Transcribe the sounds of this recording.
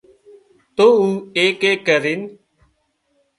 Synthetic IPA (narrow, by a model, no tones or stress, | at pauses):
t̪oːuːeːkeːkəɾin